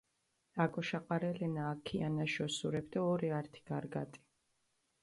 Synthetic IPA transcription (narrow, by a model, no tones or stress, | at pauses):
akʼɔʃaqʼaɾɛlɛnaːkʰianaʃɔsuɾɛbd̪aɔɾiaɾt̪ʰi̥ɡaɾɡa̰t̪ʼi̥